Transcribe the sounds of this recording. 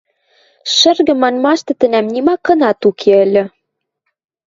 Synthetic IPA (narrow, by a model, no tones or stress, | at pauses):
ʃɘ̆rɣɘ̆mːɑnmɑʃt̪ɤ̆t̪ɘ̆næmnimɑkːɤ̆nɑt̪ukʰeɘ̆lʲɘ̆